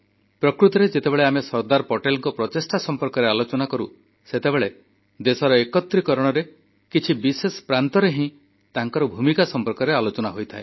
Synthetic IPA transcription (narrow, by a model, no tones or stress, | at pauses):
pɾɔkɾut̪ɔɾed͡ʒet̪ebeɭeamesɔɾd̪aɾpɔʈelɔŋkɔpɾɔt̪esʈasɔmpɔɾkɔɾealot͡ʃɔnakɔɾṵ | set̪ebeɭe | d̪esɔɾɔekɔt̪ɾikɔɾɔɽ̃ɔɾe | kit͡ʃʰibisesɔ̥pɾant̪ɔɾeɦĩ | t̪aŋkɔɾɔbʱumikasɔmpɔɾkɔɾealot͡ʃɔnaɦojt̪ʰae